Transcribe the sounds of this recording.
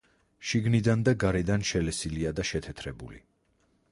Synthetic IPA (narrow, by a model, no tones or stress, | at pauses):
ʃiɡnid̪and̪aɡaɾɛd̪anʃɛlɛsiliad̪aʃɛt̪ʰɛt̪ʰɾɛbṵlḭ